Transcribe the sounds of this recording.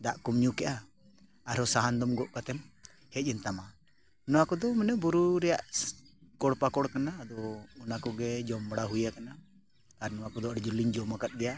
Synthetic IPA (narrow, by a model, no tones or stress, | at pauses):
d̪aʔkɔmɲukɛʔa | aɾɔsaɦand̪ɔmɡɔʔkat̪ɛm | hɛc̚ˀɛnt̪ama | nɔwakɔd̪ɔmɛnɛbuɾuɾɛjaʔ | kɔɽpakɔɽkanaːd̪ɔːnakɔɡɛd͡ʒɔmbɽaɦujakana | t̪aɾnɔwakɔd̪ɔəɽd͡ʒuliɲd͡ʒɔmakat̪̚ˀdɛja